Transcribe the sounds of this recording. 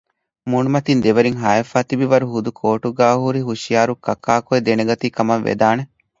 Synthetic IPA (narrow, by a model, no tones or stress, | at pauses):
munumɐt̪ind̪eʋɐɾiŋɦaːɐfaːt̪ibiʋɐɾuɦud̪ukʰoːʈuɡaːhuɾiɦuʃijaːɾukːɐkːaːkoed̪eneɡɐt̪iːkɐmɐʋːḛd̪aːne